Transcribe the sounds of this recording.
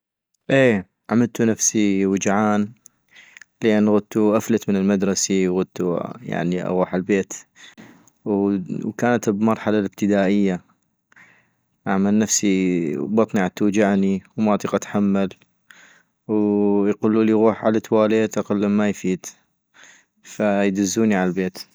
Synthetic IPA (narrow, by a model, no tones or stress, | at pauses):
ʔeː | ʔamalt̪unafsiwɪd͡ʒʕaːn | lʔɪnːɣʊd̪̚t̪uʔaflat̪mɪnɪlmad̪ɾˤɑsiwɣʊd̪̚t̪uja̰ʕniʔa̰ɣuːħalbeːt̪ | wwkaːnat̪bmɑɾˤħalalɪb̚t̪ɪd̪aːʔɪjːa | ʔaʕmalnafsibɑt̪ˤniʕat̪ːud͡ʒaʕniwmɑːt̪ˤiqat̪ħamːal | wjqulːuːliɣuːħʕalat̪waːleːt̪ʔɑqɑlːamːajfiːd̪ | fajd͡ʒ̪ʊzːuːniʕalalbeːt̪